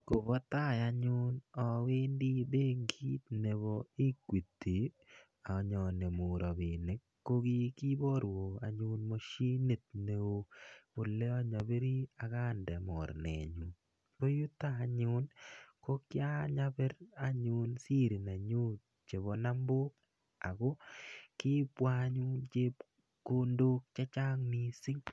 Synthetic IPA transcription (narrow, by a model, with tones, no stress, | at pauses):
ko˨bɔ˦t̪a˦˨ja˨ɲʊ˦nɔ˨we˦ndi˦be˦ŋɡi˦t̪̚ne˨βo˨ɪ˦kwi˨t̪ːi˨ | a˨˦ɲɔ˨ne˨mʊ˨ɾɔ˨bɪ˨ne˨˦kːo˦ɡi˦ki˦bɔ˦ɾwo˨a̰˨ɲʊ˦nmo˦ʃi˦ne˨t̪̚ne˨o˦pʊ˨lːe˦ɔ˦ɲa˨be˦ɾi˦a˨ka˦ndɛ˨mɔ˨ɾnɛ̰˨ɲu˨n | ko˦ju˦taː˦˨ɲʊ˦nko˦kja˦ɲa˦bɛ˦ɾa˦ɲʊ˦nsi˦ɾi˨na˨ɲu˦ | t͡ʃe˨βo˨na˦mbo˦k | a˨ko˦kɪ˦pwa˦ɲu˦nt͡ʃe˦p | ko˦ndo˦k̚t͡ʃɛ˦t͡ʃa˦ŋni˦sɪ˦ŋ